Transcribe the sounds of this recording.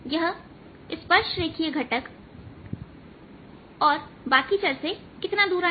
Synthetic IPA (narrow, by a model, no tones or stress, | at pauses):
jəɦ | ɪspəɾʃʈɾeːkʰieɡʱɐʈək | ɔːɾbaːkit͡ʃəɾse | kɪt̪nad̪uːɾa